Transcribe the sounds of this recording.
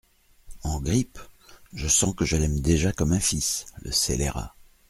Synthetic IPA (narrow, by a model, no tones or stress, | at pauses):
ɑ̃ɡʁipʒəsɑ̃kəʒəlɛmd̪eʒakɔmɛ̃fislə̰selḛʁa̰